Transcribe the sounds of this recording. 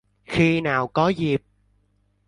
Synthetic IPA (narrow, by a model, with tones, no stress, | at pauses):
xi˧naː˨˩wkɔ˨˦zi˨˩p̚